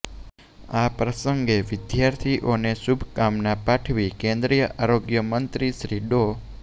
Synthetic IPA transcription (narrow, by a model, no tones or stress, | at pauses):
apɾəsəŋɡeʋɪd̪jaɾt̪ʰiʔoneʃubʱkamnapaʈʰʋikẽnd̪ɾijəʔaɾoɡjəmənt̪ɾiʃɾiɖo